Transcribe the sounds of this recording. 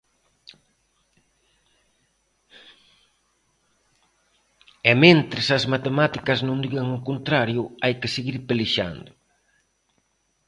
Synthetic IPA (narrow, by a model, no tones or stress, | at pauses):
ɛmẽnt̪ɾɪsɐzmat̪emat̪ikɐznõŋd̪iɣaŋʊkont̪ɾaɾjʊajkɪseɣiɾpeliʃa̰nd̪ʊ